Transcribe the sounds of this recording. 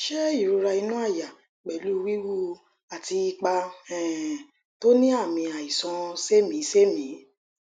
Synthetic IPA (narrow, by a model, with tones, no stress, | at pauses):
ʃɛ˦i˦˨ɾu˨˧ɾa˧i˧nũ˦a˦˨ja˨ | k͡pɛ˨lu˦˧wi˦wu˦ | a˨ti˧i˧k͡pa˧ɛ̃˨ | to˦nĩ˦a˦˨mĩ˧a˨i˨sɔ̃˧se˦mĩ˨˦se˦mĩ˨˦